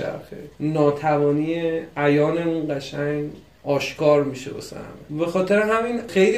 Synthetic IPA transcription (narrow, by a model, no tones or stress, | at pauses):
æ̰ɾxḛnɒːt̪ʰævɒːniːjeæjɒːneũːnɢæʃæɲ | ɒːʃkɒːɾmiʃebo̰sæ̰mebe̞xɒːt̪ʰe̞ɾeɦæminxejli